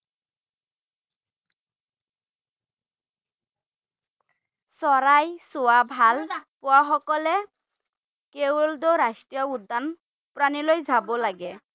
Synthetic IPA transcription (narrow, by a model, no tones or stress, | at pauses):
sɔɹajsowabʱalpʊwaxɔkɔlɛ | kewld̪oɾasʈɹijɔud̪ːan | pɹanilojzʱabɔlaɡɛ